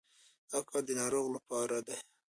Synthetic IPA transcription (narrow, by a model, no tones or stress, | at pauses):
akɑd̪ənɑɾoɣlapɑɾad̪e